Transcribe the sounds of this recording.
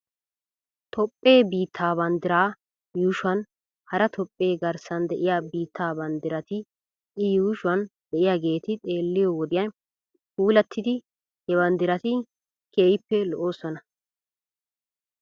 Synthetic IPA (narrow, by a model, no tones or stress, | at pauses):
t̪ʰɔpʼːe̞ːbiːt̪ʰːaːbɐnd̪ɪɾaː | juːʃʊɐn | hɐɾɐt̪ʰɔpʼːe̞ːɡɐɾsɐnd̪ɛʔɪjaːbiːt̪ʰːaːbɐnd̪ɪɾɐt̪ɪ | ɪjuːʃʊɐnd̪ɛʔɪjaːɡe̞ːt̪ɪt̪ʼe̞ːlːɪjɔwɔd̪ɪjɐn | puːlɐt̪ʰːɪd̪ɪ | hɛbɐnd̪ɪɾɐt̪ɪ | keːjɪpːɛlɔʔoːsɔnɐ